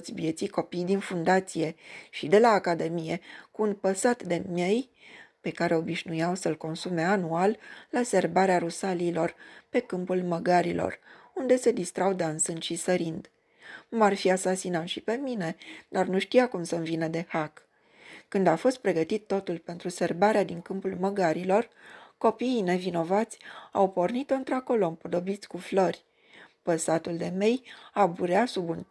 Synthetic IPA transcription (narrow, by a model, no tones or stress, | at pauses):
ot̪sʲvje̞t̪siko̞pijd̪infund̪at̪sije̞ʃid̪e̞laːkad̪e̞mije̞kuːnpəsat̪d̪e̞mje̞j | pe̞kaɾe̞o̞biʃnujawsəlko̞nsume̞anualːase̞rbaɾeaɾusaliːlo̞rpe̞kɨmpulməɡaɾilo̞̰rund̪e̞se̞d̪ist̪ɾawd̪ansɨnd̪ʃisəɾind̪ | marfiasasinanʃipe̞mine̞d̪arnuʃt̪ijakumsənvinəd̪e̞hakː | ɨnd̪afo̞st̪̚pɾe̞ɡət̪it̪ːo̞t̪ulpe̞nt̪ɾuse̞rbaɾead̪iŋkɨmpulməɡaɾilo̞rko̞piːne̞vino̞vat̪sʲawpo̞rnit̪oɨnt̪ɾoako̞lo̞ɨmpod̪o̞bit̪sʲkuflorʲ | pəsat̪uld̪e̞me̞jabuɾeasubun